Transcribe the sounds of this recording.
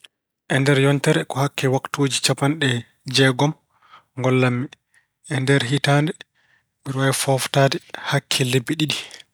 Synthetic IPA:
ʔɛndɛɾjɔntɛɾɛkɔhakːɛwaktoːd͡ʒit͡ʃapanɗɛ | d͡ʒɛɡɔm | ŋɡɔlːamːi | ʔɛndɛɾɦitaːndɛ | ɓiɾwajfɔftaːdɛhakʰːɛlebːiɗiɗi

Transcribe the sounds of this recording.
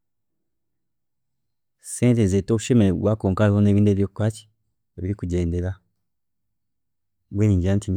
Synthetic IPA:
seːntezeto̞ːβuʃe̞meeβwaːkoːŋkalehone̞ːβiːndeβijokkwaːci̥ | eβiɾikuɟe̞ːnde̞la | βweniːɲɟiaːntiɲ

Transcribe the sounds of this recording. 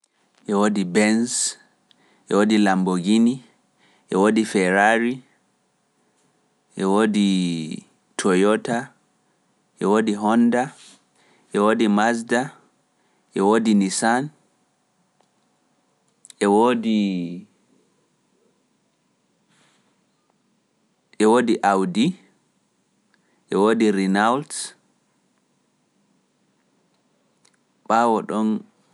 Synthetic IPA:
ʔɛwoːdibɛns | ʔɛ̰wodilamboɡini | ʔɛwoːdifɛɾaɾi | ʔɛwodi | tʰɔjɔta | ʔɛwoːdiɦɔnda | ʔɛwoːdimasda | ʔɛwoːdinisan | ʔɛwoːdi | ʔɛwodiʔawdi | ʔɛwoːdiɾinawlt | ɓawɔɗɔn

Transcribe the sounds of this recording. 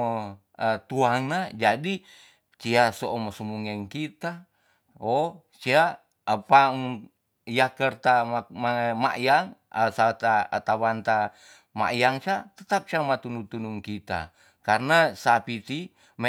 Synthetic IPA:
ət̪uaŋnad͡ʒadi | t͡ʃiasoʔomasumuŋɛŋkit̪a | o | t͡ʃia | apaŋ | jakərt̪amama̰ʔjaŋəsat̪aa̰t̪awant̪a | ma̰ʔjaŋt͡ʃat̪ət̪ap̚t͡ʃamat̪unut̪unuŋkit̪a̰ | karnasapit̪i | m

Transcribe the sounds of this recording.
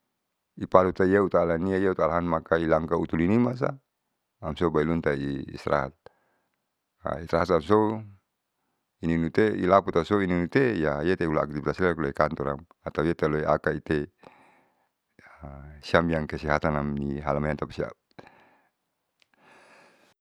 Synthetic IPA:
ipalut̪aijaut̪aːlaniajaut̪alaɦanmakailaŋkaut̪ulinimas̬a̰ː | msobailunt̪aḭːsɾʔa̰ɦa̰t̪̚ | a̰ist̪ɾaɦat̪amso | ininut̪eḭlaput̪asoininut̪ejajet̪eula̰ːk̚t̪ipt̪asilakloekant̪ɔɾam | at̪ajet̪aloeʔakait̪e | siamjaŋkɛsiɦat̪anamniɦalamajant̪apasia̰p̚

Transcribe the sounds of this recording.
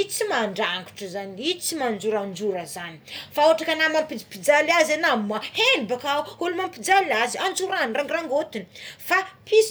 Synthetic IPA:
it͡simaɳɖ͡ʐaŋɡu̥ʈ͡ʂəzaniit͡simand͡ʒuɾand͡ʒuɾəzani̥faoaʈ͡ʂakanamampid͡zipid͡zalazanamːahenibakauulumampid͡zalaziand͡zuɾanraŋɡraŋɡot̪ini̥fapis

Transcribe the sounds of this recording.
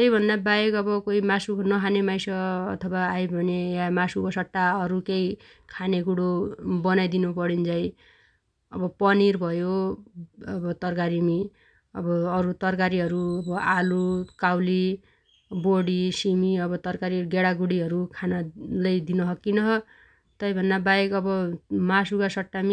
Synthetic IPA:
t̪ʌjbʱʌnd̪abajekʌbʌkoimasuknʌkʰanemajsʌ̰ːt̪ʰʌbaːjbʱʌnejamasukosʌʈːaʌɾukei | kʰaneɡuɽobʌnajd̪inupʌɽind͡zʌj | ʌ̰bʌpʌniɾbʱʌjo | ʌbʌt̪ʌrkaɾimi | ʌbʌːɾut̪ʌrkaɾiɦʌɾuʌbʌʔalukawli | boɽisimiʌbʌt̪ʌrkaɾiɡeɽaɡuɽiɦʌɾukʰanalʌjd̪inʌɦʌkːinʌɦʌ | t̪ʌjbʱʌnd̪abajekʌbʌmasukasʌʈːami

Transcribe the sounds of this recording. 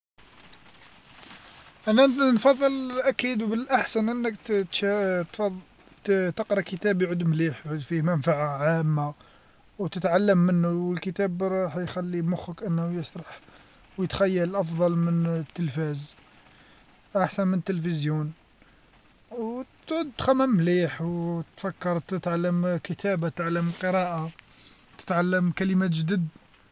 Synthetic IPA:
ʔænænfɑðˤːəlʔækid̪wbəlʔaħsənʔənːəkt̪ʃt̪fɑˤ | t̪əqɾˤɑkət̪æbjʕud̪mliħjʕud̪fihmænfaʕaʕamːa | wt̪ət̪ʕalːəmːənːuwəlkət̪æbɾˤɑħjxælːimʊxəkʔənːhujəsˤɾˤɑħ | wjət̪xæjːəlʔɑfd̪ˤɑlmənt̪ːəlfæz | ʔaħsænmənt̪ːəlfəzjun | wt̪ʕʊd̪t̪xæmæmːliħwt̪fækːɑɾˤt̪ət̪ʕalːəmkət̪ʰæbat̪t̪ʕalːəmqəɾˤɑʔa | t̪ə̥t̪ʕalːəmkæləmæt̪ʒd̪id̪

